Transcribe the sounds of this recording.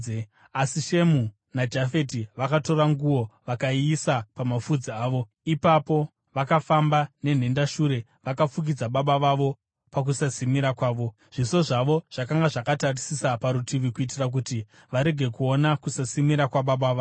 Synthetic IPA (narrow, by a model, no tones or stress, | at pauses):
asiʃe̞mu | nad͡ʒafe̞tiʋakato̞ɾaŋɡuwo̞ʋakaiisapamafud͡ziaːʋo̞ | ipapo̞ | ʋakafambane̞n̤e̞ndaʃuɾe̞ | ʋakafuk̬id͡zaɓaɓaʋaʋo̞ | pak̬usasimiɾakwaːʋo̞ | ʐ̥iso̞ʐaʋo̞ʐ̥akaŋɡaʐakatarisisapaɾutʰiʋikuit̬irak̬uti | ʋaɾe̞ɡʱe̞kuonakusasimiɾakwaɓaɓaʋa